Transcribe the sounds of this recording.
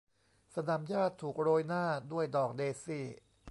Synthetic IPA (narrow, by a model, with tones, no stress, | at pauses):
sa˧na˨˩˦mjaː˥˩t̪ʰːuː˨˩k̚ɾoː˧jnaː˥˩du˥˩əjdɔː˨˩k̚deː˧siː˥˩